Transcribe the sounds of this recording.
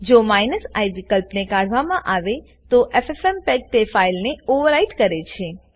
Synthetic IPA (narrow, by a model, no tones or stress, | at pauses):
d͡ʒomajnəsa̰jʋikəlpnekaɽ̤ʋamãʔaʋe | t̪oʔefefɛmpɛk̚ʈ̪efailneoʋəɾaiʈkəɾet͡ʃʰe